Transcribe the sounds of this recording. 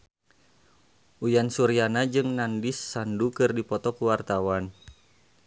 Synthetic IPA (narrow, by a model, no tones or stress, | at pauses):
ʔujansuɾianad͡ʒɨŋnandɪsːandukɨrdipɔt̪ɔkuwart̪awan